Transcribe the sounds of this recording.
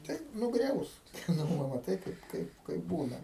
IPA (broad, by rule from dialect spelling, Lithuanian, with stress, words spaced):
tɐɪ nʊˈɡrʲɛʊs nʊ ˈʋɐ mɐˈtɐɪ ˈkɐɪp ˈkɐɪp ˈkɐɪp ˈbuːnɐ